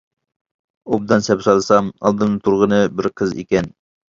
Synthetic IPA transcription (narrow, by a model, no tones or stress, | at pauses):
ob̚d̪ɑnsɛpsɑlˠɨsɑmɑ̰lˠd̪ɨnɨt̪ʰuɾʁənɨbɪɾqʰəzḛkʲɛn